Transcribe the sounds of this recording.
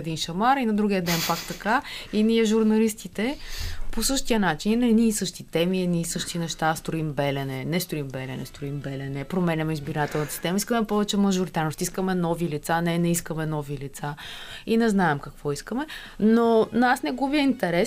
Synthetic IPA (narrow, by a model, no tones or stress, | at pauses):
d̪inʃɐmaɾinɐd̪ɾuɡʲijəd̪ɛnpakt̪ɐkainʲiɛʒuɾnɐlist̪it̪ɛposɤʃt̪iənat͡ʃinnɛniːsɤʃt̪it̪ɛmiɛniːsɤʃt̪inɛʃt̪ast̪ɾoimbɛlɛnɛnɛst̪ɾoimbɛlɛnɛ̰st̪ɾoimbɛlɛnɛpɾomɛnʲɐmɛizbiɾat̪ɛlˠnt̪əsist̪ɛməiskəmɛpɔvɛt͡ʃɛmɐʒoɾit̪aɾnost̪iskəmɛnɔvilit̪sanɛnɛiskəmɛnɔvilit̪sainɛznaɛmkɐkvɔiskəmɛ | nonasnɛɡobiɛint̪ɛɾɛ